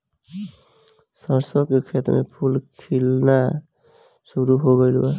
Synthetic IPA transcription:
səɾsəkekʰet̪ɾmḛpʰulkʰilna | suɾuɦoɡəɪlə

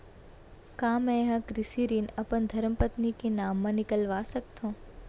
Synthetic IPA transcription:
kaːmɛ̃ɦãkɾɪsiɾinɐpənd̪ʱɐɾmpət̪nikenaːmːãnɪkəlʋaːsɐk̚t̪õː

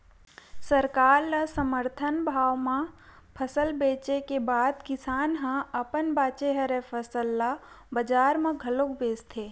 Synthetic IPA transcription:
səɾkaːɾlasəməɾt̪ʰənbʱaːwmã | pʰəsəlbeːt͡ʃekebaːd̪kɪsaːnɦãɐpənbaːt͡ʃeɦɐɾepʰəsəlːa | bəd͡ʒaːɾmãɡʱəlokbeːst̪ʰeː

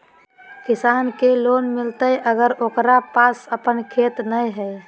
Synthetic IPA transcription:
kisankelonmilt̪əjʔəɡəɾokɾapasəpənkʰet̪nəjɦəj

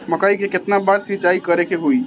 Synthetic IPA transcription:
məkaikeket̪nabaɾsʋit͡ʃaikəɾekeɦoi

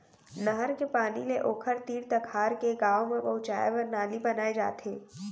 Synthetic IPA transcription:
nɐɦəɾkepaːnileʔoːkʰəɾt̪iːɽt̪ɐkʰaːɾkeɡaːomẽpɐɦʊt͡ʃa̰ːeʋəɾnaːlibɐnaːed͡ʒa̰ːt̪ʰeː

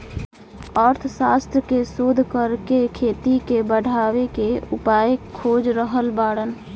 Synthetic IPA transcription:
əɾt̪ʰsast̪ɾkesod̪ʱkəɾkekʰeːt̪ikebəɽʱaʋekeupajkʰod͡ʒɾəɦəlbaːɽən

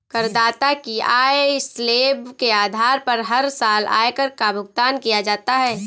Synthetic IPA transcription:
kəɾd̪aːt̪akiaːesleːbkeaːd̪ʱaːɾpɐɾɦɐɾsaːla̰ːkəɾkabʱʊɡt̪aːnkijad͡ʒaːt̪aɦɛː

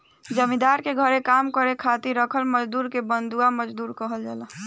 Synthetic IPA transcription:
d͡ʒəmĩd̪aɾkeɡʱəɾekamkəɾekʰat̪iɾəkʰəlməd͡ʒd̪uːɾkebənd̪uaməd͡ʒd̪uːɾkəɦəld͡ʒa̰lə

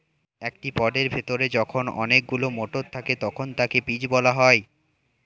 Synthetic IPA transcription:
ekʈipɔɖeɾbʱet̪oɾed͡ʑɔkʰonɔ̰nek̚ɡulomoʈoɾt̪ʰaket̪ɔkʰont̪akepid͡ʑbɔlaɦɔe

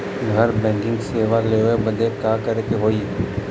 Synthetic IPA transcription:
ɡʱɐɾbɛ̃ːŋkɪ̃ŋɡseːʋaleːebɐd̪ʱekaːkɐɾek̪eɦoːiː

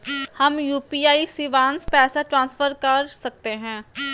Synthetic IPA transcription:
hɐmjuːpiːaːisiʋãːnspɛːsaʈɾãːnsfəɾkɐɾsɐk̚t̪eɦɛ̃ː

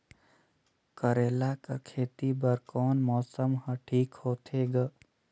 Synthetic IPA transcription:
kəɾeːlakəkʰeːt̪ibəɾkɔːnmɔːsəmɦəʈʰiːkhoːt̪ʰeɡə

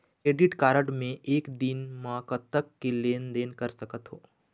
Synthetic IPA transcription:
kɾeːɖɪʈkaːɾəʈmẽʔeːkd̪inmãːkət̪ːəkːeleːnd̪eːnkɐɾsɐkət̪ɦoː

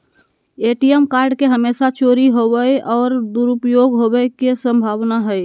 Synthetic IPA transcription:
eʈijəmkaɾɖkeɦəmesat͡ʃoɾiɦobəjɔːɾd̪uɾupjoɡɦobəkesə̃mbʱaʋnaɦəj

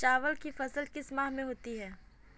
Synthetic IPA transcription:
t͡ʃaːʋəlkifɐsəlkɪsmaːɦmẽɦoːt̪iɦɛː

